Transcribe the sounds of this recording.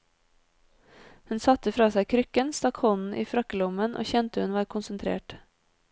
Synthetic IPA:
hʉnsɑt̪əfɾɑːsæɪkʰɾʏkənst̪ɑkhɔnn̩ʔiːfɾɑkəlʊmənʔo̰ːçɛnt̪əhʉnʋɑːɾkʰʊnsənt̪ʰɾḛːʈ

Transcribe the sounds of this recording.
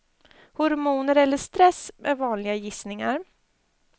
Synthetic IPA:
hʊɾmuːnəɾɛlːəʂt̪ɾɛsːmʔɛvɑːnlɪɡajɪsnɪŋaɾ

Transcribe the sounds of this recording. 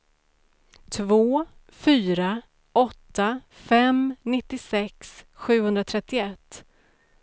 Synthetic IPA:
t̪ʰvoː | fyːɾa | ʔɔt̪ːa | fɛmnɪt̪ːɪsɛksɧʉ̟ːhɵnd̪ɾat̪ʰɾɛt̪ːɪɛt̪ː

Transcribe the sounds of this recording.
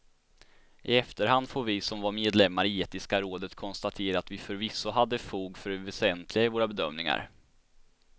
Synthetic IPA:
ʔɪɛft̪əɾɦand̪foːɾvɪsɔmvaɾmeːd̪lɛmːaɾɪeːt̪ɪskaɾoːd̪ət̪kʰɔnst̪at̪ʰeːɾaːt̪vɪfœɾvɪsːʊɦad̪ːəfuːɡfœɾɛvɛsɛnt̪ʰlɪɡaɪvoːɾabɛd̪œmnɪŋa̰ɾ

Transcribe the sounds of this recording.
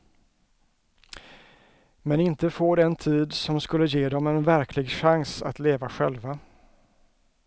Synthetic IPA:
mɛnɪnt̪əfoːɖ̪ɛnt̪ʰiːd̪sɔmskɵlːəjeːd̪ɔmɛnvæɾkʰlɪɡʂaŋsa̰t̪leːvaɧɛ̰lva

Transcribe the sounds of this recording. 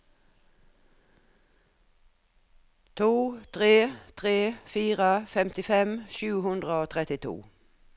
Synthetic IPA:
t̪ʰuːt̪ʰʁeːt̪ʰʁeːfiːʁəfɛmt̪ɪfɛmʃʉːhʉnd̪ʁəoːt̪ʰʁɛt̪ɪt̪ʰṵː

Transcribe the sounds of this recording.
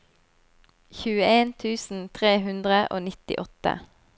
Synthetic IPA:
çʉːəeːnt̪ʰʉːsn̩t̪ʰʁeːɦʉnd̪ʁəʔo̰ːnɪt̪ɪ̰ʔɔt̪ə̰

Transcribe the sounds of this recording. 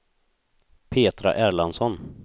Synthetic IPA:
pʰeːt̪ɾa̰ʔæːɾɭansɔn

